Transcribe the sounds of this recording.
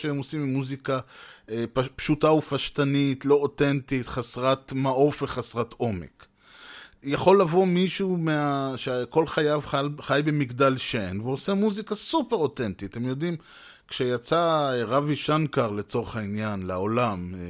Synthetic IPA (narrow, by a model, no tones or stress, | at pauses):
ʃeemosimimuzika | pʃutaufaʃtanitlo̞otentit̪χasʁat̪maʔo̞fveχasʁato̞me̞̰k | jaχo̞lːavo̞miʃumeaʃeko̞lχajavaχajbe̞miɡdalʃenveosemuzikasupeʁo̞tentitemjo̞dim | kʃejat͡saʁaviʃankaʁle̞t͡so̞ʁeχainjanlaolam